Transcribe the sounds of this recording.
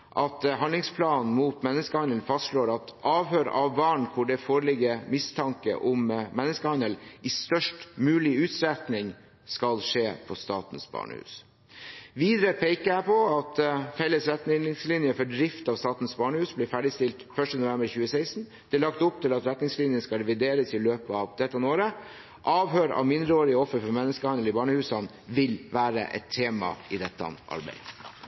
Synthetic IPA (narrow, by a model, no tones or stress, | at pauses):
ʔɑt̪ɦɑnd̪lɪŋspʰlɑːnmuːt̪mɛnːəskəhɑnd̪əlfɑst̪ʂɭoːɾɑt̪ʔɑːʋɦøːɾɑ̰ʋbɑɳkʰʊɖɛfoːɾəlɪɡəmɪst̪ʰɑŋkə̰ʔʊmmɛnːəskəhɑnd̪əlɪst̪œʂʈmʉːlɪʉːt̪sɾɛt̪nɪŋ | skɑlʂeːpʰɔst̪ɑ̰ːt̪n̩sbɑ̰ːɳə̰hʉ̰ːs | ʋiːd̪ɾəpʰeɪkəæpʰɔɑt̪fɛlːəsɾɛt̪nɪŋslinjəfɔɖɾɪft̪ɑʋst̪ɑːt̪n̩sbɑːɳəhʉːsblɪːfæːɖɪst̪ɪlt̪fœʂʈənʊʋɛmbəɾçʉːəseɪst̪n | d̪̥ɛːlɑkt̪ʊp̚t̪ʰɪlɑt̪ɾɛt̪nɪŋslɪnjənskɑlɾɛʋɪd̪eːɾəsɪløːpəɑʋd̪̥ɛt̪ːənoːɾə | ʔɑːʋɦøːɾɑ̰ʋmɪnd̪ɾəoːɾɪəɔfːəɾfɔmɛnːəskəhɑnd̪l̩ɪbɑːɳəhʉːsɑn | ʋɪlʋæːɾə̰ʔɛ̰t̪ʰːeːmɑ̰ɪd̪ɛt̪ːɑ̰ʔɑ̰ɾbæ̰ɪ